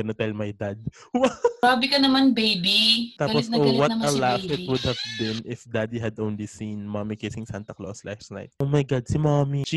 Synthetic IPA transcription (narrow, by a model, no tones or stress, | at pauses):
ɡɐnot̪ɛlmɐjd̪ad̪̚ | wɐaːbɪkɐnɐmanbejbit̪aːɐpɔsɐowɐt̪ɐlafɪt̪̚wʊd̪̚hɐvbɪnɪfd̪ad̪iɦɐd̪ʔõwnlisĩnmamikesɪŋsant̪ɐklo̰slastna̰jt̪̚omɐjɡad̪̚simami